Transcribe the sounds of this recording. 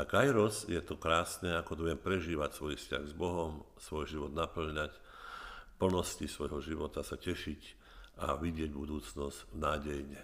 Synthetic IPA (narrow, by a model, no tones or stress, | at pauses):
akajɾɔsjɛt̪ɔkɾaːsnɛakɔt̪ɔʋɛmpɾɛʒiːʋacsʋɔjfsca̰ɣzbɔɦɔm | sʋɔjʒiʋɔd̪napl̩ɲac | pl̩nɔscisʋɔjɦɔʒiʋɔt̪asacɛʃic | a̰ʋiɟɪɛɟbud̪uːt͡snɔsnaːɟɛjɲɛ